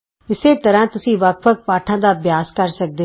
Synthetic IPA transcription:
ɪseːt̪əɾãːt̪ʊsĩːʋək̚ʋək̚paːʈʰãːd̪aːbjaːskəɾsək̚d̪eː

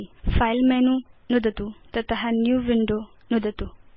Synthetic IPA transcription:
ifajlmɛnũnud̪ʱət̪ut̪ət̪əɦanjuːʋiɳɖo | nud̪ʱət̪u

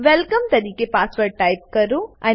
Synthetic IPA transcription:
ʋɛlkəmt̪ɐɾiːkepaːsʋəɾʈaːɪp̚kɐɾũʔɛ̃ː

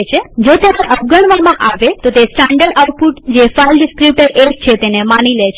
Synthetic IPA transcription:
t͡ʃʰed͡ʒot̪eɾeʔəp̚ɡəɳ̃ʋamãʔaʋet̪ot̪esʈãɳɖəlaʊʈ̚puʈd͡ʒefailɖɪskɾip̚ʈəɾekt͡ʃʰet̪enemanilet͡ʃʰ

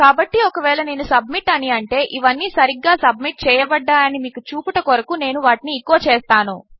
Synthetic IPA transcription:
kaːbɐʈːiɔkɐʋɛːɭɐne̞ːnusɐb̚miʈːɐniɐɳʈe̞ːʔiʋɐnːiːsɐɾiɡːaːsɐbmiʈ̚t͡ʃɛːjɐbɐɖːaːjɐnimiːkut͡ʃuːpuʈɐkoɾɐkune̞ːnuʋaːʈiniːkːoʋɐt͡ʃɛːst̪aːnṵ

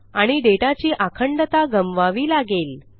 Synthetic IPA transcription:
aɽ̃iɖeʈat͡ɕiːʔakʰəɳɖət̪aɡəmʋaʋiːlaɡel

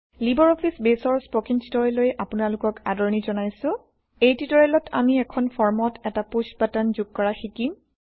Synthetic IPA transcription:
libɔɹɔpʰisbesɔɹspɔkintitɔɹɛlojʔapʊnalʊkɔkadɔɹnizɔnajsʊ̃ | ejtitɔɹɛlɔtʰa̰miɛkʰɔnpʰɔɹmɔtʰɛtaposbatanzuɡ̚kɔɹaxikim

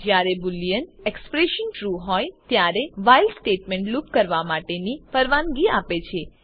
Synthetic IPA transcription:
d͡ʒjaɾebulijənekspɾeʃənʈɾuɦɔjt̪jaɾeʋailɖsʈeʈmɛ̃ɳʈlupkəɾʋamaʈenipəɾʋanɡiapet͡ʃʰe

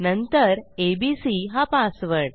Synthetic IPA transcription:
nənt̪əɾebisiɦapasʋəɽ

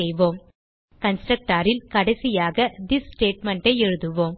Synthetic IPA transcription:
ɛjʋoːm | kɐnsʈɾɐk̚ʈaːɾɪlkɐɽɐsɪjaːɣɐd̪ɪssʈeːʈmɐɳʈɐɪɛɻɯðɯʋoːm

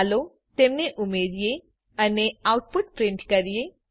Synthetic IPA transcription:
lo | t̪eːmneʔʊmeɾije | əneawʊʈ̚pʊʈ̚pɾɪ̃ɳʈkɐɾije

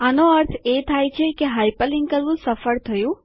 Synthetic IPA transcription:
anoəɾt̪ʰet̪ʰajt͡ʃʰekeɦajpəliŋɡkəɾʋũsəfəɾt̪ʰəjũ

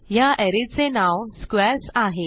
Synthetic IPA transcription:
jaʔɛɾit͡senawnskʋɛɾsaɦe

